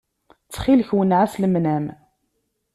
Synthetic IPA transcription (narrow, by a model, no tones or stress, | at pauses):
t͡sːχilçwənʕasləmnæm